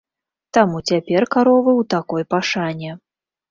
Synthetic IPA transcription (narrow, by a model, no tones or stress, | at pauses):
t̪amut͡sʲapʲɛrkaɾɔvɨwt̪akɔjpaʂanʲɛ